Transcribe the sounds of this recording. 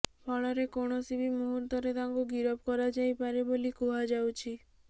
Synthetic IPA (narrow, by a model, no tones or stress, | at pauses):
pʰɔɭɔɾekoɽ̃ɔsibʱimuɦuɾd̪ʱɔɾed̪aŋɡuɡiɾɔb̚kɔɾad͡ʒajpaɾebolikuɦad͡ʒawt͡ʃʰi